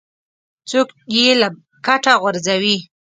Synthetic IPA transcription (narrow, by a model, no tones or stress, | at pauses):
t͡sokjela | kaʈaɣʊɾzawi